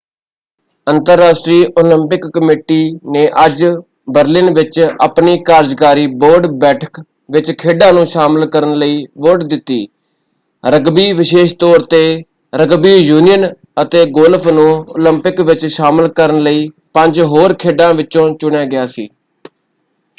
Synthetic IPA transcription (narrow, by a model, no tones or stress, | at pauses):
ənt̪əɾːaːʃʈɾiːʔoːlɪmpɪkːəmeːʈiːnẽːʔəd͡ʒ | bəɾlɪnʋɪt͡ʃə̰pniːkaːɾd͡ʒkaːɾiːboːɾɖbɛːʈʰək | ʋɪt͡ʃkʰeːɖãːnũːʃaːməlkəɾənləiːʋoːʈd̪ɪt̪ːḭː | ɾəɡbiːʋɪʃeːʃt̪ɔːɾt̪eː | ɾəɡbiːjuːnijən | ət̪eːɡoːlpʰnũːo̰ːləmpɪkʋɪt͡ʃʃaːməlkəɾənləiː | pə̃ɲd͡ʒɦoːɾkʰeːɖãːʋɪt͡ʃːõːt͡ʃʊɳjaːɡɪjaːsḭː